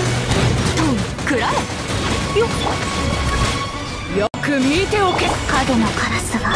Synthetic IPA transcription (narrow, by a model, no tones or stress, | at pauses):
t̪oːi | kɯɾaɾe | jo | jokɯ̟mʲit̪e̞okekad̪onokʰaɾasɨɡa